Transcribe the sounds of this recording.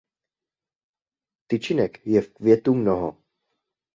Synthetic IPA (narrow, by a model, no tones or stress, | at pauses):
t̪ɪt͡ʃɪnɛkjɛfkvjɛt̪umnoɦo